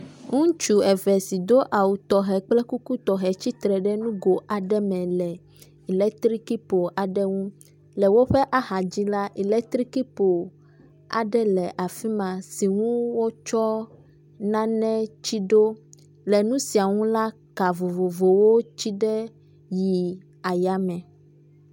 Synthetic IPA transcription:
ŋũ˦t͡ʃu˨ɛ˨vɛ˨si˨d̪o˦ʔa˨wu˨t̪ɔ˨ɦɛ˨k͡plɛ˦ku˦ku˦t̪ɔ˨ɦɛ˨t͡ɕi˦t̪ɾɛ˨ɖɛ˦nũ˦ɡo˨ʔa˨ɖɛ˦mɛ̃˨lɛ˨ | i˨lɛ˦t̪ɾi˦ki˦po˨ʔa˨ɖɛ˦ŋũ˦ | lɛ˨wo˦ɸɛ˦ʔa˦ɦa˨d͡ʑi˦la˦ʔi˨lɛ˦k̚t̪ɾi˦ki˦po˨ | a̰˨ɖɛ˦lɛ˨ʔa˨fi˦mã˨si˨ŋũ˦wo˦t͡ʃɔ˦ | nã˦nɛ̃˦t͡ɕi˦ɖo˦ | lɛ˨nũ˦si˨a˨ŋũ˦la˦ | ka˨vo˨vo˨vo˨wo˦t͡ɕi˦ɖɛ˦ | ji˨ | a˨ja˦mɛ̃˨

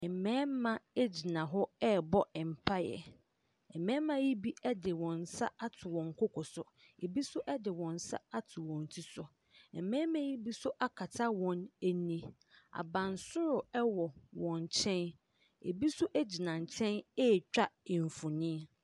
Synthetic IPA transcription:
ɛ˨mɛ̃ː˦mã˨e˦d͡ʑi˨nã˨ɦɔ˦ɛ˦bɔ˦ɛ˨m̩˨pʰa˦jɛ̰˨ | ɛ˨mɛ̃ː˦mã˦ji˦bi˦ɛ˦dɪ˨wɔ̃˨n˨sa˦a˦tʰʊ˨wɔ̃˨ŋ̩˨kʰɔ˦kʰɔ˨sʊ˨ | e˨bi˦sʊ˦ʔɛ˦dɪ˨wɔ̃˨n̩˨sa̰˦a˦tʰʊ˨wɔ̃˨n˨tʰi˦sʊ˨ | ɛ˨mɛ̃ː˦mã˦ji˦bi˦sʊ˦ʔa˦kʰa˨tʰa˦wɔ̃˨næ˦nĩ˦ | a̰˨bã˨n˨sʊ˦ɾʊ˨ɛ˦wɔ˨wɔ̃˨ɲ˨t͡ɕʰɛ̃˦n | ḛ˨bi˦sʊ˦ʔæ˦d͡ʑi˨nã˨ɲ̩˨t͡ɕʰɛ̃˦nɛ˦˨t͡ɕᶣa˦˨ɱ˨fũ˨nĩ˦

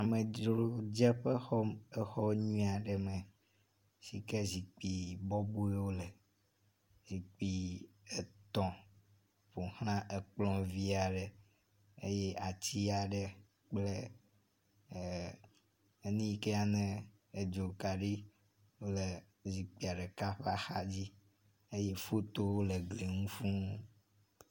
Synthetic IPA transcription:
a˨me˨d͡ʒɾo˨d͡ʒɛ˦ɸe˦xɔ˦me˦xɔ˦ɲũ˦a˨ɖɛ˨mẽ˨ | si˨ke˦zi˨k͡pi˨bɔ˦bu˦e˦wo˦le˨ | zi˨k͡pi˨ | e˨t̪ɔ̃˨ | ɸo˨hñã˦ʔe˨k͡plɔ̃˦vi˦a˨ɖe˨ | e˦je˦a˨t͡ɕi˦a˨ɖɛ˨ | k͡ple˦˨˦ | nĩ˦ke˦a˨nɛ̃˦ | e˨d͡ʒo˨ka˨ɖi˦ | wo˦le˨ | zi˨k͡pi˨a˨ɖe˨ka˦ɸa˦xa˦d͡ʑi˦ | e˦je˦fo˦t̪o˦wo˦le˨ɡle˨ŋũ˦fũ˦

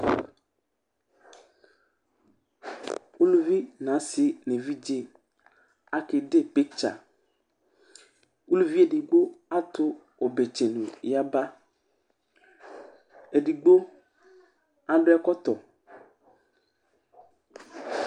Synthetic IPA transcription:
u˦lu˦vi˦nã˨˦sɪ˨nẽ˨vi˦d͡ʒe˦ | a˦ke˨ɖe˦pe˦t͡ʃa̰˨ | u˦lu˦vi˦e˨di˨ɡ͡bo˦a˦t̪ʊ˦ | o˨be˨t͡ʃe˨nũ˨ja˦ba˦ | e˨ɖi˨ɡ͡bo˦ | a˦ɖʊ˦ɛ˦kɔ˦t̪ɔ˨

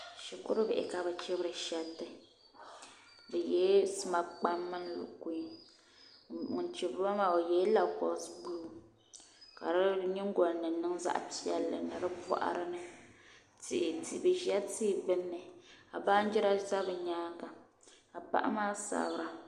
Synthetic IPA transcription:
ʃi˨kʊ̰˦ɾɨ˦bɛ˨ʔɪ̰˨ka˨bɛ˨t͡ʃɪ˦bɨ˦ɾɨ˨ʃɛ˦tːɨ˦ | bɨ˨jɛː˨˦sma˨b̚k͡pa˦mːɨ˦n˦lʊ̰˨ku˨˦i˦˨ | nt͡ʃɪ˨ba˦maː˨o˨jɛ˦la˨pɔ̰˨˦sbu˦˨ | ka̰˨ɾɨ˦ɲɪ˦ŋ˦ɡɔ˨lnɨ˨˦nɨ˦ŋza̰˦ʔti˦ɛ˨lːɨ̰˨nɨ˨ɾɨ˦bɔ̰˦ʔa̰˦ɾɨ˦nɨ˦ | tɪ˨ʔɪ˨tʰi˨bɨ˨ʒɛ˦tiː˦˨bɨ˦nːɨ˨a˨ba˦n˦d͡ʒɛ˦ɾa˦za˦bɨ˨ɲaː˦ɡa˨ | a˨pa̰˦ʔa̰˦maː˦sa̰˨bɨ˦ɾa˨

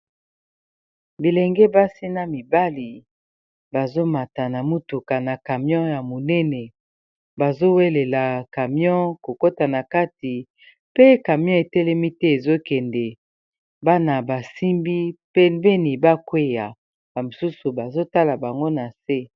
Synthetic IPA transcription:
bi˨lɛ˨ŋɡɛ˦ba˦si˦na˦mi˨ba˦li˨ | ba˨zo˦ma˨ta˨na˨mu˦tu˨ka˨na˨ka˨mjɔ̃˦ja˨mo˨nɛ˦nɛ˨ | ba˨zo˦we˦le˨la˨ka˨mjɔ̃˦ko˨ko˦ta˨na˨ka˦ti˨ | pe˦ka˨mjɔ̃˦e˨tɛ˦lɛ˦mi˦tɛ˦e˨zo˦kɛ˨ndɛ˨ | ba˦na˨ba˨si˦mbi˦pe˦be˦ni˨ba˦kwe˦ja˨ | ba˨mo˨su˦su˨ba˨zo˦ta˦la˨ba˨ŋɡo˦na˨se˦

